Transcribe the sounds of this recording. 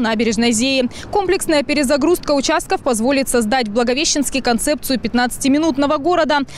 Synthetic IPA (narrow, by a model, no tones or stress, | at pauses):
nabʲɪɾʲɪʐnəjzʲejɪ | ko̞mplʲɪksnəjəpʲɪɾʲɪzɐɡɾust̪̚kəʊt͡ɕast̪kəfpɐzvo̞lʲɪt̪sɐzd̪atʲblˠəɡɐvʲeɕːɪnskʲɪjkɐnt̪sɛp̚t̪sɨjʊpʲɪt̪nat̪sɨ̥tʲɪmʲɪnut̪nəvəɡo̞ɾəd̪ə